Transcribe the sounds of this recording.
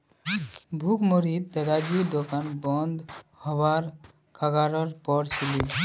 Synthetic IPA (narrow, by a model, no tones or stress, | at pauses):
bʱukmɔɾid̪̚t̪əd̪ad͡ʒid̪ɔkanbɔnd̪hɔwaɾ | kʰaɡaɾɔɾpɔɽt͡ʃʰili